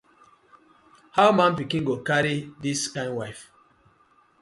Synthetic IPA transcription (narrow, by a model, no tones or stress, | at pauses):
haʊmãnpikĩnɡokaɹidiskãɪ̃nwaɪf